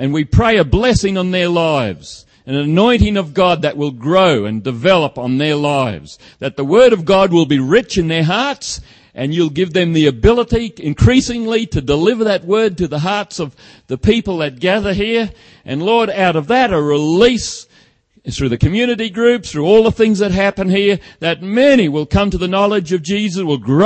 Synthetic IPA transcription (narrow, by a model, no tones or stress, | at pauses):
ɨ̃nwipʰɹ̥eɪɨblɛsɪ̃ŋə̃nðə˞laɪvz̥ | ɨ̃nɨnɔ̃ɪ̃ɾ̃ɪ̃ŋʌvɡɑd̪̚ðɨʔ̚wɪlˠɡɹoʊɨ̰̃ndɨvɛlˠəpn̩ðə˞laɪvz̥ | ðɨt̪̚ðəwɜ˞ɾʌvɡɑd̚wɪlˠbiɹɪt͡ʃɨ̃nðə˞ɦɑɹts | ʔɨ̃njʉlˠɡɪvðɨ̃mðiɨbɪlˠəɾiɨ̃nkʰɹ̥isɪ̃ŋliɾɨdəlɪvə˞ðɨt̚wɜ˞d̚tɨðəɦɑɹtsʌv | ðɨpʰipl̩ˠðɨt̚ɡ̥æðə˞ɦiɹ | ʔɨ̃nlɔɹɾaʊɾʌvðɨɾəɹɪlis | θɹʉðɨkʰɨmjʉnɨɾiɡɹʉpsθɹʉɔlˠðəθɪ̃ŋzðɨt̚ɦæpɨ̃nhiɹðɨt̚mɛɾ̃iwɪlˠkʰʌ̃mtɨðɨnɑlˠɨd͡ʒʌvd͡ʒizɨswəlˠɡɹo